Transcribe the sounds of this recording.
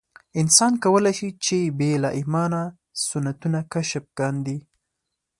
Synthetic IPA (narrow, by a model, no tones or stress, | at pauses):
ɪnsɑnkawəlajʃit͡ʃebelaʔɪmɑna | sʊnat̪unakaʃəp̚ɡ̥ɑnd̪i